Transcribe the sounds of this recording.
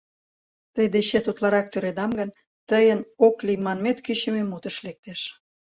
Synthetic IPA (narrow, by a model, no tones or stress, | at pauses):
t̪əjd̪eɕet̪ut̪lɑɾɑk̚t̪øɾed̪ɑmɡən | t̪əjənoklijmɑnmet̪kyɕəmemut̪əʃlek̚t̪eʃ